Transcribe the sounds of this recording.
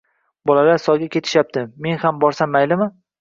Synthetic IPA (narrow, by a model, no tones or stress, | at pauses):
bɒlalaɾsɒɡʲakʲʰe̞t̪ʰɪ̥ʃap̚t̪ɪme̞nhambɒɾsamːajlɪmɪ